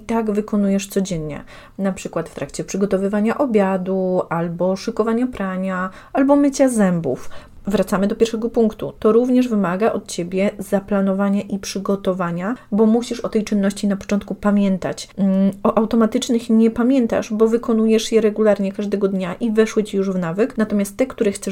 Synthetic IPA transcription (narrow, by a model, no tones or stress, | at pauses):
it̪aɡvɘkɔnujɛʂt̪sɔd͡ʑɛnɲɛ̰ | napʂɘkwat̪ft̪ɾakt͡ɕɛpʂɘɡɔt̪ɔvɘvaɲaʔɔbʲjad̪uʔalbɔʂɨkɔvaɲapɾaɲa | albɔmɘt͡ɕazɛmbṵf | vɾat̪samɘd̪ɔpʲjɛɾʂɛɡɔpuŋkt̪ṵt̪ɔɾuvɲɛʐvɘmaɡaʔɔt̪t͡ɕebʲjɛzaplanɔvaɲaʔipʂɘɡɔt̪ɔvaɲabɔmuɕiʂɔt̪ɛjt͡ʂɘnːɔɕt͡ɕinapɔ̥t͡ʂɔ̃nt̪̚kupamʲjɛnt̪at͡ɕɔʔawt̪ɔmat̪ɘt͡ʂnɘxɲɛpamʲjɛnt̪a̰ʂbɔvɘkɔnujɛʂjɛɾɛɡulaɾɲɛkaʐd̪ɛɡɔd̪ɲaʔivɛʂwɘt͡ɕijuʐvnavɘknat̪ɔmʲjast̪ːɛkt̪uɾɛxt̪sɛ